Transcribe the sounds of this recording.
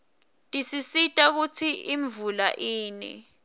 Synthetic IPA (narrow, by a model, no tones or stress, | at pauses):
tʼisisitʼak̬ut͡sʰiʔiɱvulaʔiːnɛ̰